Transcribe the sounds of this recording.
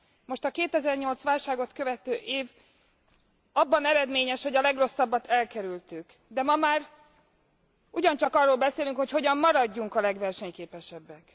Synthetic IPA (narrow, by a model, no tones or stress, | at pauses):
mo̞ʃt̪ɒkeːt̪ɛzɛrɲo̞lt̪sʋaːlʃaːɡo̞t̪kø̞vɛt̪øːʔeːv | ɒbːɒnɛɾɛd̪meːɲɛʃho̞ɟɒlɛɡro̞sːɒbːɒt̪ʰɛlkɛɾylt̪yk | d̪ɛmɒmaːr | uɟɒnt͡ʃɒkɒrːoːlbɛseːlyŋkho̞cho̞ɟɒmːɒɾɒɟːuŋkɒlɛɡʋɛrʃɛɲkeːpɛʃɛbːɛk